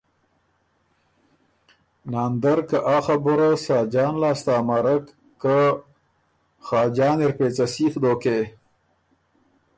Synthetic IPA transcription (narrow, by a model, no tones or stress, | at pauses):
nɑːnd̪əɾkəʔaːxabʊɾasɑːd͡ʒɑːnlɑːst̪aːmaɾəkː | ə | xɑːd͡ʒɑːneɾpeːt͡sasiːxd̪oːke